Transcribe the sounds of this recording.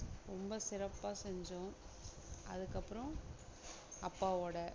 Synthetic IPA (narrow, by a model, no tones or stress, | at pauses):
ɾɔmbɐsɪɾɐpːaːsɛɲd͡ʒʊ̃ | ɐ̰ðɯkːɐpːɯɾɔ̃ | ɐpːaːoːɽɐ